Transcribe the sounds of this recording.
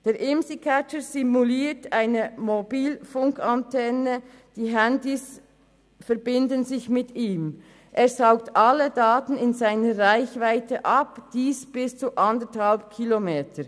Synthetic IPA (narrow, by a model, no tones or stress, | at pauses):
d̥eːɾʔɪmsikʰæt͡ʃəzimuliːtaɪnəmobiːlfʊŋkʰantʰɛnə | d̥iːɦændis | fɛɐbɪndənzɪçmɪtiːm | ʔeːsaʊktʔalːədaːtn̩ɪnzaɪnəʁaɪçvaɪtʰəʔɑpd̥iːsb̥ɪst͡suʔɑndəthalp̚kʰilomeːtʰə